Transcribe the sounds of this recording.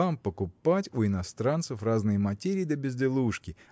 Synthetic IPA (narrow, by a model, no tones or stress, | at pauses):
ampəkʊpatʲuɪnɐst̪ɾant̪səfraznɨjəmɐtʲeɾʲɪjd̪əbʲɪzʲd̪ʲɪlˠuʂkʲɪ